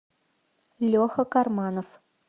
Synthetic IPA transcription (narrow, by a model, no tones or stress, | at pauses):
lʲoxə̆kɑrmɑnof